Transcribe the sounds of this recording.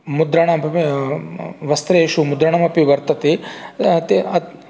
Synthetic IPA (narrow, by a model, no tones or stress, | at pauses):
mud̪ɾɐɳɐmɐpi | ʋɐst̪ɾeːʃumud̪ɾɐɳɐmɐpiʋɐɾt̪ɐt̪i | t̪iɐ